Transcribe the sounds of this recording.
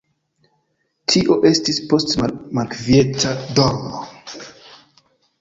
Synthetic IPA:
tʰiʔo̞ʔe̞stispo̞stmalkvietadoɾno̰

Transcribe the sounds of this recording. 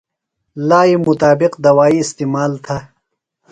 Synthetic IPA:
laːimʊt̪aːbɪqd̪ɐwaːiːst̪iːmaːlt̪ʰa

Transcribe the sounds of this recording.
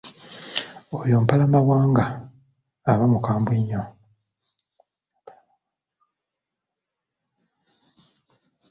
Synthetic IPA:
ojoːmpalamaβwaːŋɡaː | βamukaːmbwiɲːo

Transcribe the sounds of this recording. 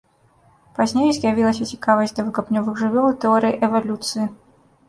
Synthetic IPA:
pazʲnʲejzʲjavʲilˠɐsʲɐt͡sʲikavɐzʲd̪ɐvɨkapnʲɔvɨɣʐɨvʲɔlˠɨt̪ɛɔɾɨjiʔɛvalʲut̪sɨji

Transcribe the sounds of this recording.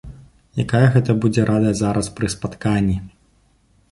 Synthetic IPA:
jakajɐɣɛt̪ɐbud͡zʲɛɾʔad̪ɐzaɾɐspɾɨspat̪kanʲːi

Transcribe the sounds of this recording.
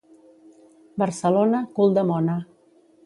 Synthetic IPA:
bəɾsəlonəkulˠd̪əmɔnə

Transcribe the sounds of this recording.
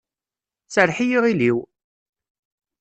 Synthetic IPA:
t͡sːəɾħijiʁiliw

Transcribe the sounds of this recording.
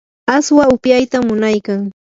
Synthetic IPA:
aswaʊpjajt̪amːʊnajkaŋ

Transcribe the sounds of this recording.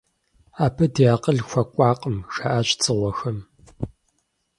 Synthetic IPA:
aːpʰɐdeaːqəɮxʷɐkʷʼɑːqʼəmʃaʔaːɕʼt͡sʼɨʁʷɔxɐm

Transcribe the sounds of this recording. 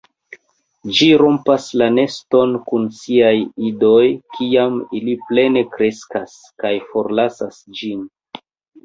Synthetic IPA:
d͡ʒiɾo̞mpaslane̞sto̞nkunsiajido̞jkʰiamiliple̞ne̞kɾe̞skas | kajfo̞ɾlasasd͡ʒin

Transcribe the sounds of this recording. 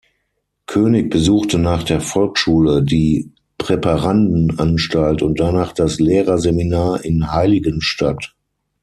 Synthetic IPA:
kʰøːnɪk̚b̥əzuːxtənaːχd̥eːɐfɔlkʃuːlədiː | pʁ̥ɛpaʁandn̩ʔanʃtaltʊnt̚d̥anaːχd̥asleːʁɐzeminaːɐʔɪnhaɪlɪɡənʃtʰa̰t

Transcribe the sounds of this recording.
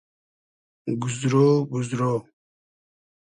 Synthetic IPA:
ɡuzɾobuzɾoː

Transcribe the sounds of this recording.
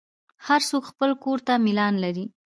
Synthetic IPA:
haɾsokxpəlkoɾt̪amɪlɑnlaɾi

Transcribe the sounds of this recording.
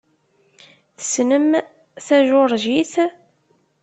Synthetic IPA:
θə̥snəm | θæʒʊɾˤʒiθ

